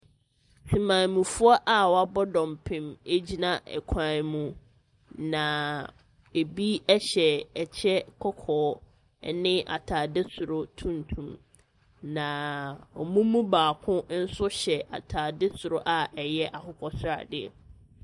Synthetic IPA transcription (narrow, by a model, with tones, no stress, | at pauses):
si˨mãː˨mũ˨fʊ˦ɔ˦ʔa˨wɔ˨a˦bɔ˦dɔ̃˨mpʰɪ̃˨me˦d͡ʑi˦nã˦ʔɛ̰˨kʷʰãː˨n˨mũ˨ | nã˨ | e˨bi˦ɛ˦ɕɛ˨ɛ˨t͡ɕʰɛ˦kʰɔ˦kʰɔː˨˦ | nɪ̃˦ʔa̰˨tʰaː˨dɪ˦sʊ˨ɾʊ˦tʰũ˦n˨tʰũ˨m | nã˨ɔ˨mũ˦mũ˦baː˨kʰʊ̃˦n̩˦sʊ˦ɕɛ˨ʔa̰˨tʰaː˨dɪ˦sʊ˨ɾʊ˦ʔa˨ʔɛ˨jɛ˦ʔa˨hʊ˦kʰɔ˨sʊ˦ɾa̰˨dɪ˦ɛ̰˨